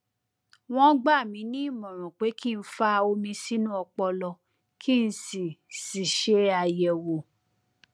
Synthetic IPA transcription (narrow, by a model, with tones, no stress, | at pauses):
w̃ɔ̃˦ɡ͡ba˦˨mĩ˨˦nĩ˦˨mɔ̃˨ɾ̃ɔ̃˨k͡pe˨˦ki˦˨n̩˦fa˦o˧mĩ˧si˦nũ˦ɔ˧k͡pɔ˧lɔ˧ | kʰi˦˨n̩˦si˨si˨ʃe˦a˧jɛ˨wo˨